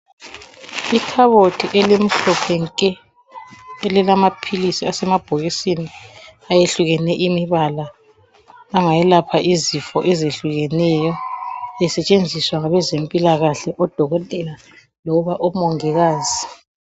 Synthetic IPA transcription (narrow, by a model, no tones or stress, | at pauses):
ikʰaβotʰiʔɛlem̩ɬɔpʰɛŋkʼɛ | ɛlɛlamapʰilisiasɛmab̥ʱoɣisiniajeɬuɣɛnɛʔimiβalaː | ŋajɛlapʰaʔizifɔʔɛzeɬuɣɛnɛjɔjɛsɛt͡ʃʼend͡zʱiswaŋaβɛzempʼilaɣaɬɛʔɔd̥ʱɔɣɔtʼɛla | lɔβaʔɔmɔŋɛɣaːzi